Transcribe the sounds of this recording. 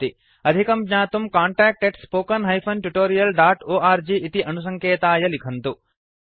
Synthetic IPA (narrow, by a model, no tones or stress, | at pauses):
t̪i | ɐd̪ʱikɐmɲaːt̪umkaːɳʈaːk̚ʈeɖspoːkɐnɦɐjpʰɐnʈuʈoːɾijɐlɖaːʈoːʔaːɾd͡ʒiʔit̪iʔɐnus̬ɐŋkʰeːt̪aːjɐlikʰɐnt̪u